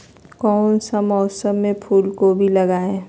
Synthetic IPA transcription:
kɔːnsəmɔːsəmːẽpʰuːlkobʱiləɡaːẽ

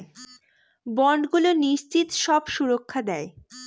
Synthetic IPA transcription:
bɔɳɖɡuloniʃt͡ɕʰit̪ʃɔbʃuɾokʰːad̪ɛe

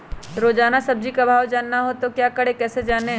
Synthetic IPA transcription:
ɾoːd͡ʒaːnasɐb̚d͡ʒikabʱaːwd͡ʒaːnːaɦot̪okjaːkɐɽekɛːsed͡ʒaːneɦ

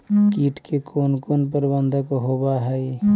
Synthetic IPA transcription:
kiːʈkekʰoːnkoːnp̬əɾbənd̪ʱəkoɦobaɦɛj

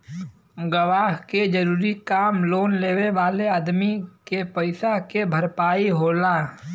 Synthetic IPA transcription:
ɡəʋaːɦked͡ʒəɾuːɾikaːmloːnleːweʋaːleaːd̪mikepəɪsakebʱəɾpaːiɦoːlaː

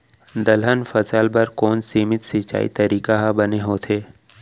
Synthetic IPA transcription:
d̪ɐlɦənfɐsaːlbɐɾkɔːnsiːmɪt̪sit͡ʃa̰ːḭt̪ɐɾiːkaɦabɐneɦoːt̪ʰeː

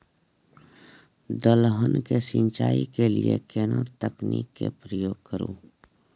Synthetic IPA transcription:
d̪əlɦənkesɪ̃nt͡ʃaːikeliekeːnat̪əkniːkːḛpɾəjoːɡ̚kəɾṵ̃ː

